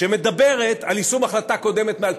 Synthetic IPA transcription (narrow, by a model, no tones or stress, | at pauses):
eme̞d̪abe̞ʁet̪alisumaχlat̪ako̞d̪e̞met̪meal